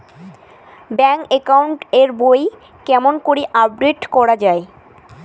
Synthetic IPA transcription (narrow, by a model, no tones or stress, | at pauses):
bɛŋekawɳʈeɾboj | kɛmonkoɾiʔab̚ɖeʈkɔɾad͡ʑae